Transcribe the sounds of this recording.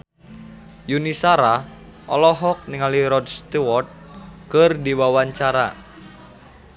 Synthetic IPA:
junisaɾa | ʔɔ̰lɔɦɔk̚niŋaliɾɔdst̪iwɔrt̪̚kərdiwawaɲt͡ʃaɾa

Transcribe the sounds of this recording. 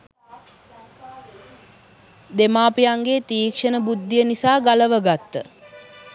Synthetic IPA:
d̪emaːpijaŋɡeːt̪iːkʂənəbud̪ːijənisaːɡaləʋəɡat̪ːə

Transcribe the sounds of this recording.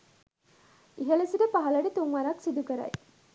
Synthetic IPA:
iɦɐlesiɖepɐɦɐlɐɖet̪uŋʋɐɾɐksid̪ukɐɾɐ̰ji

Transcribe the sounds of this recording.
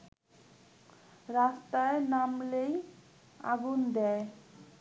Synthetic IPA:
ɾast̪aenamlej | a̰ɡund̪ɛe

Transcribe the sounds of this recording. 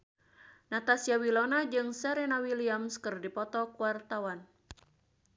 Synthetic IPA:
nat̪asiawilɔnad͡ʒɨŋsaɾɛnawiliamskɨrdipɔt̪ɔkuwart̪awan

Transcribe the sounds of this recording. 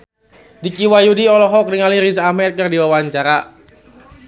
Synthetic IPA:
dikiwajudiɔlɔɦɔk̚niŋaliɾisamɛt̪̚kərdiwawaɲt͡ʃaɾa

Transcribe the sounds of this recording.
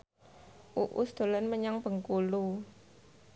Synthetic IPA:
ʔuʔṵsd̪̥o̤lənməɲaŋb̥ə̤ŋkulu

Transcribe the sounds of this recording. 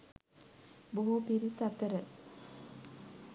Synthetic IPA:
boɦupiɾisat̪əɾə

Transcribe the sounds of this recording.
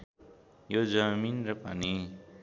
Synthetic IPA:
jod͡zʌminrʌpani

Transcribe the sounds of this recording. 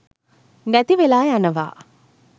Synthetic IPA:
nɐt̪iʋelaːjɐnɐʋa̰ː

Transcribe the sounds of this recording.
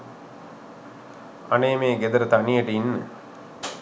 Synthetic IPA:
ɐneːmeːɡed̪ɐɾɐt̪ɐnijəʈinːɨ̰

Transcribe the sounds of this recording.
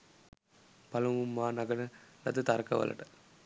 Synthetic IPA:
pɐlɐmumːaːnɐɡɐnɐlɐt̪ːɐt̪ɐɾɐkɐ̰ʋɐ̰lɐ̰ʈɐ

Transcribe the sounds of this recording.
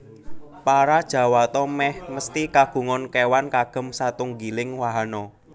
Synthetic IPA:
paɾad̥ʒ̥ä̤wat̪ɔmɛhməst̪ikaɡ̥ṳŋɔnkewankaɡ̥ə̤msat̪uŋɡilɪŋwaɦanɔ

